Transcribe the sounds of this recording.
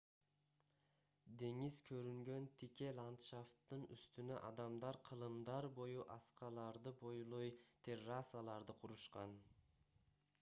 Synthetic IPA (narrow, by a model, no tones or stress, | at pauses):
d̪e̞ŋizkʰøɾyŋɡø̞nt̪ʰike̞lˠant̪ʃaft̪ːɯny̰st̪ynø̰ʔɑd̪ɑmd̪ɑɾqʰɯlˠɯmd̪ɑɾbo̞juʔɑsqɑlˠɑɾd̪ɯbo̞julˠojt̪ʰerːasalˠɑɾd̪ɯqʰuɾuʃqɑn